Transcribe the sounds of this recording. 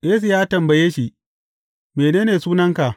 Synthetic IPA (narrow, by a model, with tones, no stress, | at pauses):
ʔeː˦s̬i˨jaː˦tɐ˨mbɐ˨jeː˦ʃi˨ | meː˨neː˦neː˨suː˦nɐ˦ŋka˨ʔ